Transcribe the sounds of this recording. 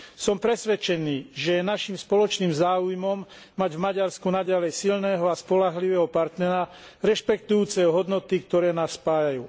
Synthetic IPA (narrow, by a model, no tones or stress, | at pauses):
sɔmpɾɛsʋɛt͡ʃɛniːʒɛjɛnaʃimspɔlɔt͡ʃniːmzaːujmɔmː | aɟvmaɟaɾskunaɟalɛjsilnɛːɦɔaspɔlaɦliʋɛːɦɔpaɾt̪nɛɾaɾɛʃpɛk̚t̪ujuːt͡sɛɔɦɔd̪nɔt̪ikt̪ɔɾɛːnaːsːpaːjajuː